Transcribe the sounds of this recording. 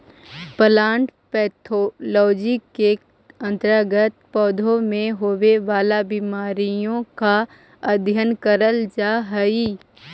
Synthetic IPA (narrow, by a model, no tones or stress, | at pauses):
pəlaːɳʈpɛːt̪ʰolɔːd͡ʒike | ə̃nt̪ɾəɡət̪pɔːd̪ʱõmẽɦoʋeʋaːlabɪmaːɾijõka | əd̪ʱjənkəɾəld͡ʒaːɦəiː